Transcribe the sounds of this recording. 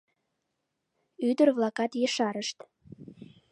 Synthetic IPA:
yd̪ərβlɑkɑt̪jeʃɑɾəʃt̪

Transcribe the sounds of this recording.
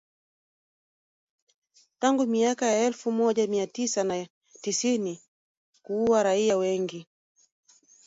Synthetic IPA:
taŋɡumiakajaɛlfumɔʄamiatisana | tisini | kuuwaɾaiawɛŋɡi

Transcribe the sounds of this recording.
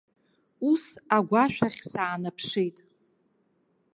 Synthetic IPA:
usaɡʷaʃᶣaχʲsaːnapʰʂijtʼ

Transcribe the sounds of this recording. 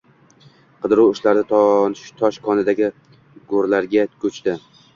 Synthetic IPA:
qʰɨd̪ɪɾʊwʊʃlaɾnɪt̪ʰɒnʃt̪ʰɒʃkʰɒnɪd̪aɡʲɪ | ɡoɾlaɾɡʲakʲʰɵt͡ʃt̪ɪ

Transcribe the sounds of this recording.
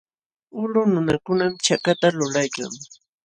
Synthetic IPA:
ʊlʊnʊnakʊnamt͡ʃakat̪alʊlajka̰ŋ

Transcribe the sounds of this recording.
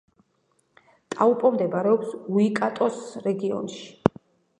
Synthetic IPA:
t̪ʼaupʼɔmd̪ɛbaɾɛɔpsuikʼat̪ʼɔsɾɛɡiɔ̰nʃi̥

